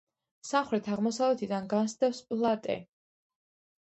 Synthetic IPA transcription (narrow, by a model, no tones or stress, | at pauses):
samχɾɛt̪ʰaʁmɔsavlɛt̪ʰid̪anɡansd̪ɛfspʼlˠat̪ʼɛ̰